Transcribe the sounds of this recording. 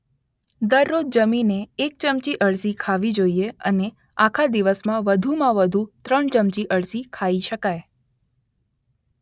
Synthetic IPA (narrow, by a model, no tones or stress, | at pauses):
d̪əɾːod͡ʒd͡ʒəmineːk̚t͡ʃəmt͡ʃiʔəɭsikʰaʋid͡ʒoieə̰ne | akʰad̪iʋəsmãʋəd̪ʱumãʋəd̪ʱut̪ɾəɳt͡ʃəmt͡ʃiʔəɭsikʰaiʃəkaj